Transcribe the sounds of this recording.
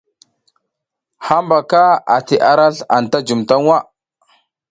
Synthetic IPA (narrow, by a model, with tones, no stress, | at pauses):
ha˦mba˨ka˦a˨ti˨ʔa˦ɾa˦ɬa˨n˨ta˦d͡ʒu˨mta˦ŋwa˦